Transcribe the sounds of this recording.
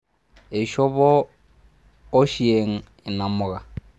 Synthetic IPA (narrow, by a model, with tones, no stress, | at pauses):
e˨ʃɔ˦βɔ˦ | ʃi˦e˨ŋ̩˦ | ɪ˨na˨mʊ˨ɣa˨